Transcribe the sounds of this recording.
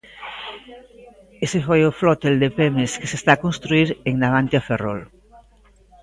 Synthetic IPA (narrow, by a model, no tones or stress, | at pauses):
esefojoflɔt̪eld̪epemeskesest̪akonst̪ɾuiɾeŋnaβant̪jafero̰l